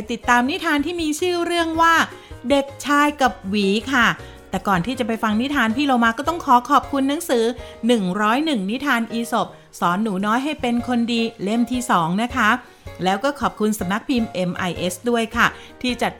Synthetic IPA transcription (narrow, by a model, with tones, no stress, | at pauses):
jt̪i˨˩t̪ːaː˧mni˦˥t̪ʰaː˧nt̪ʰiː˥˩miː˧t͡ɕʰɯː˥˩ɾɯ˥˩əŋwaː˥˩de˨˩k̚t͡ɕʰaː˧jka˨˩p̚wiː˨˩˦kʰa˥˩ | t̪ɛː˨˩kɔː˨˩nt̪ʰiː˥˩t͡ɕa˨˩pa˧jfa˧ŋni˦˥t̪ʰaː˧npʰiː˥˩loː˧wmaː˧kɔː˥˩t̪ɔ˥˩ŋkʰɔː˨˩˦kʰɔː˨˩p̚kʰu˧nːa˨˩˦ŋsɯː˨˩˦nɯ˨˩ŋɾɔː˦˥jnɯ˨˩ŋni˦˥t̪ʰaː˧nʔiː˧so˨˩p̚ | sɔː˩˦nːuː˩˦nɔː˦˥jɦa˥˩jpe˧nkʰo˧ndiː˧le˥˩mt̪ʰiː˥˩sɔː˩˦ŋna˦˥kʰa˦˥ | lɛː˦˥wkɔː˥˩kʰɔː˨˩p̚kʰu˧nsa˨˩˦mna˦˥k̚pʰiː˧mʔe˧mʔa˧jʔe˦˥sdu˥˩əjkʰa˥˩t̪ʰiː˥˩t͡ɕa˨˩